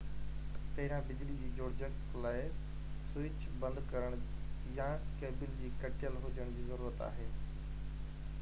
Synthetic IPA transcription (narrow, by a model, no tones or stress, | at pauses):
t̪ɐɦɪɾãbɪd͡ʑlid͡ʑiːd͡ʑoːɽd͡ʑək | laːɪ | sʊɪt͡ɕ | bɐ̃nd̪kɐɾəɽ̃ | jãkeːbɪld͡ʑiːkɐʈɪjəlɦʊd͡ʑəɽ̃d͡ʑiːzɐɾuːɾət̪a̰ːɦeː